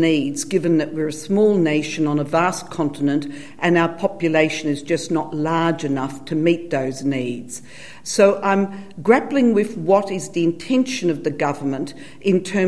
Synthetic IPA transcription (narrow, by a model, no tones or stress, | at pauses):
nidzɡɪvɨ̃nðɨʔ̚wɨɹɨsmɔlˠneɪʃɨ̃nə̃nəvæskʰɑ̃ntɨnɨ̃nt | ʔɨ̃naʊə˞pʰɑpjɨleɪʃɨ̃nɨzd͡ʒʌsnətˡlɑɹd͡ʒɨnʌftʰɨmit̪̚ðoʊznidz̥ | soʊʔãɪ̃mɡɹæplɪ̃ŋwɪðwʌɾɨzðiɨ̃ntʰɛ̃nʃɨ̃nʌvðɨɡʌvə˞mə̃nt | ʔɨ̃ntʰɜ̃˞